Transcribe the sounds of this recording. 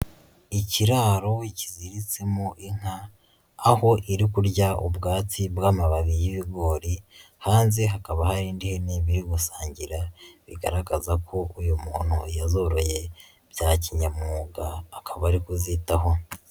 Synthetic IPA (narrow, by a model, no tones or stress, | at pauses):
iciɾaːɾo̞iciziɾit͡semoʔiŋ̥aː | ho̞ʔiɾikuɾɟaubɡaːt͡sibɡaːmaβaβijiβiɡo̞ːɾi | haːnzeɦakaβahaɾiːndiheniβiɾiɡusaːɲɟiɾaβiɡa̰ɾaɡazakʰo̞ujumuːn̥hujazo̞ɾo̞je̞ | b̥jaːciɲamuɡaːkʰaβaɾikuzitaho̞